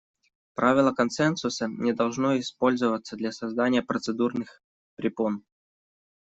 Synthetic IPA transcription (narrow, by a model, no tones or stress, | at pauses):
pɾavʲɪlˠəkɐnsɛnsʊsənʲɪd̪ɐlˠʐnoɪspo̞lʲzəvət̪səd̪lʲɐsɐzd̪anʲɪjəpɾət̪sɨd̪urnɨx | pɾʲɪpon